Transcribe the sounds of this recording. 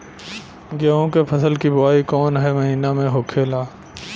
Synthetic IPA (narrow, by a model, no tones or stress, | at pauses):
ɡaːõkepʰɐsəlkibʊaːikɔːnɦɛmɐɦiːnamẽɦoːkʰeːlaː